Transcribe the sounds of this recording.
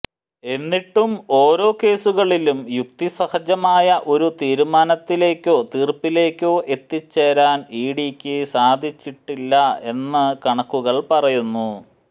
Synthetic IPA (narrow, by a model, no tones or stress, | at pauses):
e̞nːiʈːumo̞ːɾo̞ːke̞ːsuɣɐɭilumjuk̚t̪isɐhɐd͡ʑɐmaːjɐʔo̞ɾut̪iːɾumaːnɐt̪ːile̞ːkʲːo̞ːt̪iːrpːile̞ːkʲːo̞ːʔe̞t̪ːit͡ɕːeɾaːniːɽikʲːɨsaːd̪ʱit͡ɕːiʈːilːɐe̞nːɨkɐɳɐkːuɣɐɭpɐrɐjunːu